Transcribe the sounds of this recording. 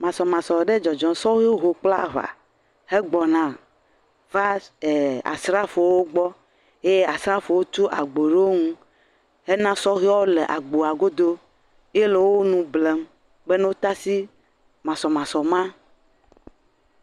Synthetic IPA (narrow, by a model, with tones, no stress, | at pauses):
mã˨sɔ˨mã˨sɔ˨ɖe˦d͡ʒɔ˨d͡ʒɔ̃˨sɔ˦ɣi˦wo˦ɦo˨k͡pla̰˦va̰˨ | he˦ɡ͡bɔ˨nã˨ | va˦e˨a̰˨sɾa˦fo˨wo˦ɡ͡bɔ˦ | e˦je˦a˨sɾa˦fo˨wo˦t͡ʃu˦ʔa˨ɡ͡bo˨ɖe˦o˦ŋũ˦ | ɦe˦nã˦sɔ˦ɣi˦ɔ˦wo˦le˨ʔa̰˨ɡ͡bo˨a˨ɡo˦d̪o˦ | je˦le˨wo˦nũ˦ble˨˦m | ɡ͡be˦ne˦wo˦t̪a˦si˦ | mã˨sɔ˨mã˨sɔ˨mã˦